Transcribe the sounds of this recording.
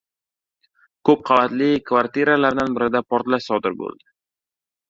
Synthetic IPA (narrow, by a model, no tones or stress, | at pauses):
kʰɵp̚qʰɑvat̪lɪkʰvaɾt̪iɾalaɾd̪anbɪɾɪd̪apoɾt̪laʃsɒd̪ɪɾbo̰lˠd̪̥ɪ